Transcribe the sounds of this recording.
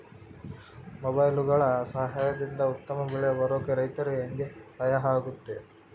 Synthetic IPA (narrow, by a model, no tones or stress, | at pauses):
mɔbɐjluɡɐɭɐsɐɦaːjɐd̪ind̪ɐut̪ːɐmɐbiɭɛjɐʋɐɾoːkeɾɐjt̪ɐɾueŋɡet̪ɐjɐɦaːɡut̪ːe̞